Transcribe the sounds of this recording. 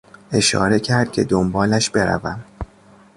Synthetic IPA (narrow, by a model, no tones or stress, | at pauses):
e̞ʃɒ̰ːɾe̞cʰæɾd̪̥̚cʰe̞̰d̪ombɒːlæʃbe̞ɾæ̰væm